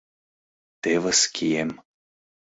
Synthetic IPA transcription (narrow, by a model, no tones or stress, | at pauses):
t̪evəskʰʲiem